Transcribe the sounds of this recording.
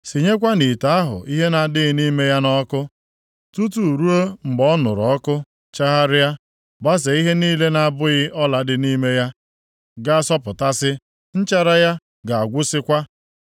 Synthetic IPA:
si˨ɲe˦k̬ʷa˦ni˨ta˨a˦ɦʊ̰˨ʔi˦ɦe˦na˨dɪ˦ɣɪ˦ni˦me˦ja˦nɔ˦kʊ˦ | tu˦tu˨ɾu˦o˦ŋ͡m̩˨ɡ͡bɔ˦nʊ̰˨ɾɔ˦kʊ˦ | t͡ʃa˦ɦa˦ɾɪ˦ja˦ | ba˦se˨i˦ɦe˦niː˦le˦na˦˨˦bʊ˦ɣɪ˦ʔɔ˦la˨dɪ˨ni˦me˦ja˦ | ɡa˦sɔ˦pʊ˨ta˦sɪ˦ | n̩˦t͡ʃa˦ɾa˦ja˦ | ɡa˨a˨ɡʷʊ˦sɪ˦kʷa˦

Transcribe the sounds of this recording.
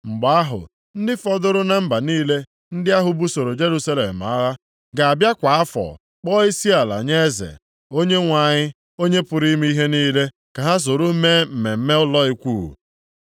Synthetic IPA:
ŋ͡m̩˨ɡ͡ba˨a˦ɦʊ̰˨ | n̩˦dɪ˦fɔ˦dʊ˦ɾʊ˦na˨m̩˦ba˨niː˦le˦ | n̩˦dɪ˦a˦ɦʊ˦bu˦so˨ɾo˨d͡ʒe˦ɾu˦sa˦lḛ˨m̩˨a̰˦ɦa˦ | ɡa˨a˨bja˦kʷa˨a˦fɔ̰˨ | k͡pɔ˦i˦si˦a˨la̰˨ɲe˦zḛ˨ | o˦ɲe˦ŋʷa˨ɲɪ˦ | o˦ɲe˦pʊ˨ɾi˦mi˦i˦ɦe˦niː˦le˦ | ka˨ɦa˦s̬o˨ɾu˦me˦m̩˨me˨m̩˦me˦ʊ˦lɔ˦i˦kʷṵː˦˨

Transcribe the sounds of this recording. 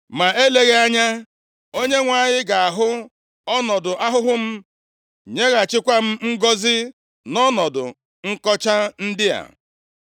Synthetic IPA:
ma˨e˦le˦ɣe˦a˦ɲa˦ | o˦ɲe˦ŋʷa˨ɲɪ˦ɡa˨a˨ɦʊ˦ | ɔ˦nɔ˨dʊ˨a˦ɦʊ˦ɦʊ˦m̩˦ | ɲe˦ɣa˨t͡ʃɪ˦kʷa˦m̩˦ŋ̩˦ɡɔ˦zɪ˦ | nɔ˦nɔ˨dʊ̰˨ | ŋ̩˦kɔ˦t͡ʃa˦n̩˦dɪ˦a̰˨

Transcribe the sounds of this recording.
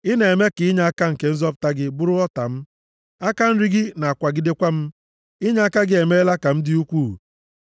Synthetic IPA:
ɪ˦ne˨e˨me˦kɪ˨ɪ˦ɲa˦a˦ka˦ŋ̩˨ke˨˦n̩˦zɔ˦pʊ̥˨ta˦ɡɪ˦bʊ˦ɾʊ˦ɔ˦ta˨m̩˦ | a˦ka˦n̩˦ɾi˦ɡɪ˦na˨a˨kʷa˨ɡɪ˦de˦kʷa˦m̩˦ | ɪ˦ɲa˦a˦ka˦ɡɪ˦e˨me˦la˦ka˨m̩˦dɪ˦u˦kʷuː˦˨

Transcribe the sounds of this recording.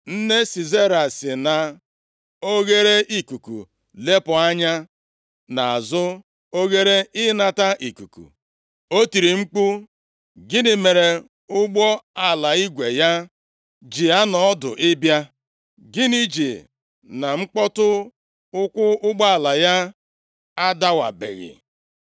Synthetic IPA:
n̩˦ne˦si˨ze˦ɾa˨sɪ˨na˨ | o˦ɣe˦ɾe˦ʔi˦ku˨kṵ˨ | le˦pʊ˨a˦ɲa˦ | na˨a˨zʊ˦ | o˦ɣe˦ɾe˦ɪ˦na˦ta˦ʔi˨ku˨kṵ˨ | o˦ti˨ɾi˨ŋ͡m̩˦k͡pu˦ | ɡɪ˦nɪ˨me˨ɾe˨ | ʊ˦ɡ͡bɔ˦a˨la˨i˦ɡʷe˨ja˦ | d͡ʒi˨a˦nɔ˨˦dʊ̰˨ʔɪ˦bja˦ | ɡɪ˦ni˦d͡ʒi˨ | na˨ŋ͡m̩˦k͡pɔ˦tʊ˦ | ʊ˦kʷʊ˦ʊ˦ɡ͡bɔ˦a˨la˨ja˦ | a˦da˦wa̰˨bḛ˨ɣɪ̰˨

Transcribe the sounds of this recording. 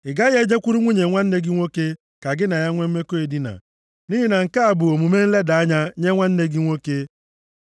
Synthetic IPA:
ɪ˨ɡa˦ɣe˦d͡ʒe˦kʷu˦ɾu˦ŋʷu˦ɲe˨ŋʷa˦n̩˦ne˦ɡɪ˦ŋʷo˦ke˦ | ka˨ɡɪ˦na˨ja˦ŋʷe˦m̩˦me˦ko˦e˨di˦na̰˨ | ni˦ɦi˦na˨ŋ̩˨ka˦a˨bʊ˨o˨mu˨me˦n̩˦le˦da˨a˦ɲa˦ɲe˦ŋʷa˦n̩˦ne˦ɡɪ˦ŋʷo˦ke˦

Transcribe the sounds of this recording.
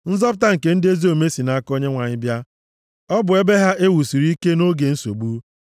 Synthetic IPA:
n̩˦zɔ˦pʊ˦ta˦ŋ̩˨ke˦n̩˦dɪ˦e˦zi˦o˨me˦si˨na˨a˦ko˦ɲe˦ŋʷa˨ɲɪ˦bja˦ | ɔ˦bʊ˨e˦be˦ɦa˦ʔe˦wu˨si˨ɾi˦i˦ke˦no˦ɡe˨n̩˦so̰˨ɡ͡bu˦

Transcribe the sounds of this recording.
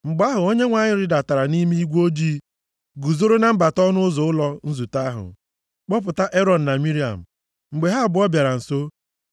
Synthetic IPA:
ŋ͡m̩˨ɡ͡ba˦ɦʊ˨o˦ɲe˦ŋʷa˨ɲɪ˦ɾɪ˦da˨ta˨ɾa˨ni˦mi˦i˦ɡʷo˦d͡ʒiː˦ | ɡu˨zo˦ɾo˦na˦m̩˦ba˨tɔ˦nʊ˦zʊ˨˦ʊ˦lɔ˦n̩˦zu˨ta˦ɦʊ̰˨ | k͡pɔ˦p̬ʊ˨ta˦ʔe˦ɾɔ˨n̩˨na˨mi˦ɾi˨a̰˨m̩˨ | ŋ͡m̩˨ɡ͡be˨ɦa˦˨bʊ˨˦ɔ˦bja˨ɾa˨n̩˨so˦

